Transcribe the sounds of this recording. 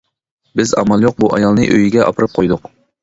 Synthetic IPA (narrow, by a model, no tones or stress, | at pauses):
bɪzɑ̰mɑlˠjoq̚buʔɑjɑlˠnɨʔøjiɡʲɛʔɑ̰pʰɨɾɨp̚qʰojd̪ʊq